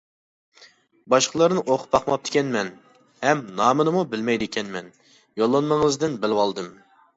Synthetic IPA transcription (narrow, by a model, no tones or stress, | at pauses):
bɑʃqəlˠɨɾnɨʔoqʰʊ̥p̚bɑqmɑp̚t̪ɪ̥kʲʰɛnmɛn | hɛmnɑːmɨnɨmubɪlmɛjd̪ɪkʲʰɛnmɛn | jolˠːɑnməŋəzd̪ɨnbɪlɪwɑlˠd̪ɨm